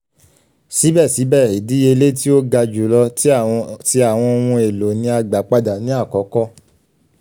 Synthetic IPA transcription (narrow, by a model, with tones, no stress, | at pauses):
si˨˦bɛ˦˨si˨˦bɛ˦˨ɾi˨di˨˦e˧le˦ti˦o˦ɡa˧d͡ʒu˨˦lɔ˧tti˦a˦˨w̃ɔ̃˧o˧wũ˧e˨lo˨nĩ˧a˧ɡ͡ba˨˦k͡pa˧da˨nĩ˨˦a˦˨kɔ˨˦kɔ˦